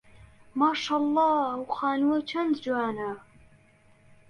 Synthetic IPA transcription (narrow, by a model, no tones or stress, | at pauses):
maːʃaːlˤːɑːwχaːnwɐt͡ʃʰɐndd͡ʒaːna